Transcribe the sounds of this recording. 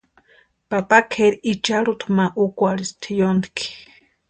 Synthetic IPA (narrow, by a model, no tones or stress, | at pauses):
papakʰeɾit͡ʃaɺut̪ʰmaʔukʷaɾist̪ʰijond̪ikʰi̥